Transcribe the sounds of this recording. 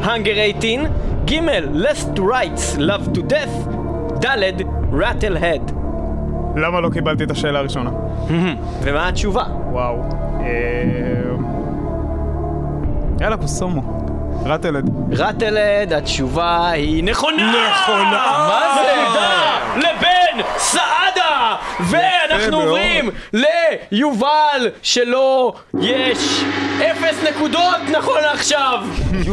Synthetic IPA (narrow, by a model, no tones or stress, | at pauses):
haŋɡeʁejtinɡimelːestʁajtslavtudeθ | d̪aled̪ | ʁatelɦed̪ | lamalokibalt̪it̪aʃe̞ːlaːʁiʃo̞na | h̩h̩ | vemaat͡ʃuva | waw | e | m | elakosomo | ʁat̪eled̪ | ʁat̪eled̪at̪ʃuvahineχo̞nneχonavazleud̪alebensaʔad̪aveanaχnuomʁimlejuvalʃelo | jɛʃefesnekud̪ot̪naχo̞naχʃav